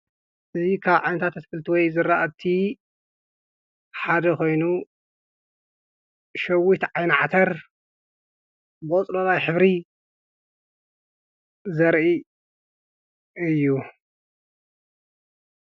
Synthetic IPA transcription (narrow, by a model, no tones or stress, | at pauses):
ʔɨzikʰaβʕajnɐt̪ʰat̪ʰɐt̪fɨlt̪ʰiwɔjzɨɾaʔat̪ʰi | ħad̪ɐko̞jnu | ʃɐwit̪ʕajnʕat̪ʰɐɾ | bɨʔʼɔt͡sʼlɐβajħɨβɾi | zɐɾʔi | ɨjːu